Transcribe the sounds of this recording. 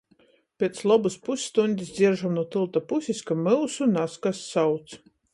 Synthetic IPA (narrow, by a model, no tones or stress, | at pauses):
pʲet̪slˠɔbuspusʲːt̪unʲd̪ʲisʲd̪zʲiɾʒamnuɔt̪ɨlˠt̪apusʲiskamɨwsunaskasːawt̪s